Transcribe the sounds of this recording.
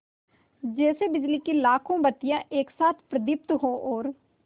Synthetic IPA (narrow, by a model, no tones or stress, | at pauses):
d͡ʒɛːseːbɪd͡ʒliːkiːlaːkʰõːbət̪ɪjãːʔeːksaːt̪ʰpɾəd̪ɪp̚t̪ɦoːʔoːɾ